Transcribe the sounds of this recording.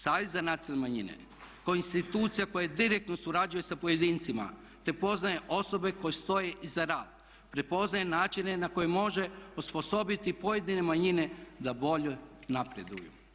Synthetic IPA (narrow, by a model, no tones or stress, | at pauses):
saːʋezːanat̪siolnemaɲinḛ | kaoinst̪it̪uːt̪sijako̞jed̪iɾek̚t̪no̞suɾad͡ʒuje̞sapo̞je̞d̪iːnt̪sima̰ | t̪e̞po̞znaje̞ʔo̞so̞be̞ko̞jest̪o̞je̞ʔizaɾaːd̪̥̚ | pɾepo̞znajenaːt͡ʃine̞nako̞jemo̞ʒe̞uspo̞so̞bit̪ipo̞je̞d̪ine̞maɲine̞d̪abo̞ʎenapɾed̪ṵjṵ